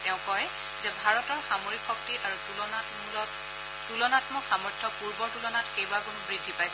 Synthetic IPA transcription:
tɛʊ̃kɔj | zɛbʱaɹɔtɔɹxamoɹikxɔk̚tiʔaɹuuɔnamlɔ | tulɔnatmɔkxamɔɹtʰːɔpuɹbɔɹtulɔnatkejbakunubɹidʱːipajsɛ

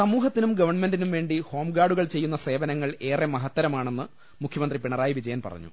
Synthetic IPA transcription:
sɐmuːɦɐt̪ːinumɡɐʋɐrɳmendinumʋe̞ːɳɖiho̞ːmɡaːɽuɣɐɭt͡ɕe̞jːunːɐse̞ːʋɐnɐŋːɐɭe̞ːremɐɦɐt̪ːɐɾɐmaːɳenːɨ | mukʰjɐmɐnd̪ripiɳɐraːjiʋid͡ʑɐjɐnpɐ̰rɐ̰ɲːṵ

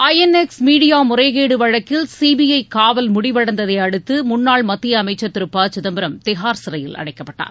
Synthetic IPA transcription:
ɐjɛnɛksmiːɽɪjaːmʊrɐɪɣeːɽɯʋɐɻɐkːɪlsiːbijɐɪkaːʋɐlmʊɽɪʋɐɽɐnd̪ɐðɐɪɐɽɯt̪ːɯmʊnːaːɭmɐt̪ːɪjɐːmɐɪt͡ʃːɐt̪ːɪɾɯpːaːt͡ʃʊðɐmbɪɾɐmt̪ɪɦaːɾsɪɾɐjɪlɐ̰ɽɐɪkːɐpːɐʈːa̰ːɾ

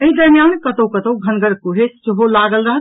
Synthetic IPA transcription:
eɦid̪əɾmijankət̪owkət̪owɡʱənɡʱəɾkuɦesəɦolaɡəlɾəɦət̪

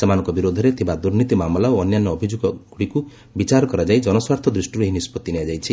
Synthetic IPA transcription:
samanɔ̃ŋkɔbiɾod̪ʱɔɾet̪ʰibad̪uɾnit̪imamlaoɔnjanːɔːbʱid͡ʒuɡɔɡ̥uɽiku | bit͡ʃaɾɔkɔɾad͡ʒajd͡ʒɔnɔswaɾt̪ʰɔd̪ɾisʈiɾueɦinispɔt̪inead͡ʒajt͡ʃʰi

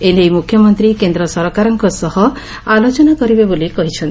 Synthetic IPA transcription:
enejmukʰjɔmɔnt̪ɾikend̪ɾɔsɔɾɔkaɾɔŋkɔsɔhɔ | alot͡ʃɔnakɔɾibebolikɔɦit͡ʃʰɔnt̪

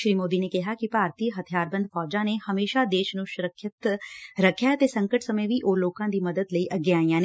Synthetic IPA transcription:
ʃɾiːmoːd̪iːneːkɪɦaːkɪpaːɾt̪iːɦət̪ʰijaːɾbə̃nd̪fʰɔːd͡ʒãːneːhəmeːʃaːd̪eːʃnũːʃʊɾəkʰːɪt̪ɾəkʰjaːt̪eːsə̃ŋkəʈsəməʋiːʔoːloːkãːd̪iːməd̪əd̪ləiːʔəɡeaːijãːn

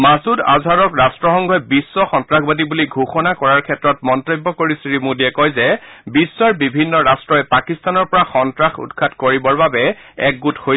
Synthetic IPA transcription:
masuda̰zʱaɹɔkɹastɹɔxɔŋɡʱɔɛbisːɔxɔntɹaxbadibuliɡʱuxɔnakɔɹaɹkʰɛtɹɔtmɔntobːɔkoɹisɹimudiɛkɔjzɛbisːɔɹbibʱinːɔɹastɹɔɛpakistanɔɹpɔɹaxɔntɹaxṵtkʰatkoɹibɔɹbabɛɛk̚ɡuthoj

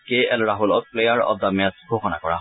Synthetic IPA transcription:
keɛlɹaɦulɔk̚plejaɹɔ̰d̪ːamɛsɡʱoxɔna̰kɔɹa̰

